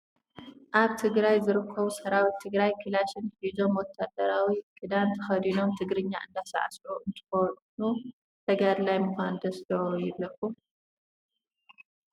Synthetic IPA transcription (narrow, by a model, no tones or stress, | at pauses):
ʔaβt̪ʰɨɡɾajzɨɾɨkʰːɐβusɐɾawit̪ʰɨɡɾajkʰɨlaʃɨnħizo̞mwɔt̪ʰːad̪ɐɾawikʰʼɨd̪ant̪ʰɐxɐd̪ino̞mt̪ʰɨɡɾɨɲːaʔɨnd̪asa̰ʕasʔuʔɨnt̪ʼɨ̥xot̪nu | t̪ʰɐɡad̪lajmɨxʷand̪ɐst̪ɐjɪβɐku